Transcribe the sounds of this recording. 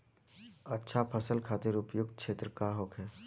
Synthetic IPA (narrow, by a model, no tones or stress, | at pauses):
ɐtːʃʰapʰɐsəlkʰaːt̪ɪɾʊpjʊɡ̪̚kʃeːt̪ɾəkaɦoːkɦɛː